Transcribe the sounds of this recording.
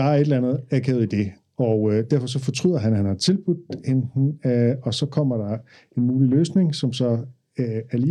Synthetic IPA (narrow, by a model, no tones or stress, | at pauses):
ɑ̈æɐe̝d̥lænð̩ˠækʰɛð̩ˠid̥e̝ | ɒd̥æɐfɒ̽s̬ɒ̽fɒ̽t͡sʰʁyð̰ˠɐɦænhænhɑ̈t͡sʰe̝lb̥ud̥hen̥n̩ɒ̽sɒ̽kʰɒ̽m̰ɐɾ̥ɑ̈ | e̝nmuːliløːsne̝ŋsɒ̽msɒ̽ | æɐliː